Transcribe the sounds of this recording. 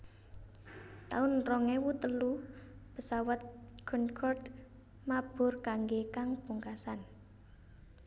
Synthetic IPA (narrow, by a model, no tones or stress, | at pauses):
t̪aʊnrɔŋewut̪əlu | pəsawat̪̚ɡ̥unkʰɔrd | mab̥ʊ̤rkaŋɡekaŋb̥uŋkasan